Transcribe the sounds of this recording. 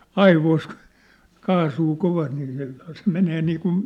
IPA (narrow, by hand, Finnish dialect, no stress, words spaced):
ɑiʋois ku̥ kɑːsuː koʋɑst niː se se meneː niːkun